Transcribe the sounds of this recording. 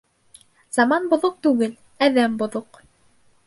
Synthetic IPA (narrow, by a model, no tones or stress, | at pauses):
z̥ɑmɑnbŏðoq̚t̪ʉɡɘl | æðæmbŏðoq